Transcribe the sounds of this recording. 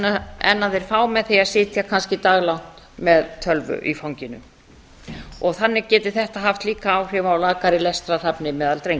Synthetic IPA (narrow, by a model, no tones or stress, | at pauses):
aɛ̰nːaðɛɾ̥faːwmɛðθɛjasɪːt̪ʰjakʰanscɪt̪aɣlan̥t̪ | mɛðt̪ʰœlvʏ̰ʔifawɲcɪnʏ̰ | ɔɣθanːɪcɛːt̪ɪθɛht̪aɦaft̪liːkaːwr̥ɪvawlaːkaɾɪlɛst̪ɾar̥apnɪmɛːðalt̪ɾejŋk